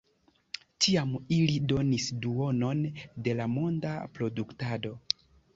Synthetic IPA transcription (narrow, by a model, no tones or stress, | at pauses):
tiamilido̞nisduo̞no̞nde̞lamo̞nda̰pɾo̞duktado̞